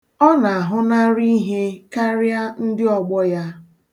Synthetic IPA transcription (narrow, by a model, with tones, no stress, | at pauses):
ɔ˦na˨a˨ɦʊ˦na˦ɾi˦ɦe˦ka˦ɾa˦n̩˦dɪ˦ɔ˨ɡ͡bɔ˦ja˦